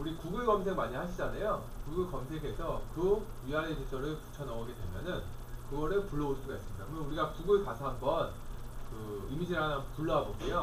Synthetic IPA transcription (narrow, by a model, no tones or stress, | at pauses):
uɾikuɡɯɭɡʌms̬ʰe̞ɡmaɲihaɕʰid͡ʑanajo | kuɡɯɭkʌmsʰe̞ɡe̞sʰʌkɯɥiɦaɾed͡ʑʰid͡ʑ͈ʰʌɾɯɭpu̥t͡ɕʰʌnʌʌɡe̞dwe̞̰mjʌnɯn | kɯɡʌɾɯɭpuɭːʌoɭs͈uɡais͈ɯmɲida̰kɯmʌnuɾiɡakuɡɯɭkasʰaɦambʌn | kɯimid͡ʑiɾanambʌpuɭːʌabokejo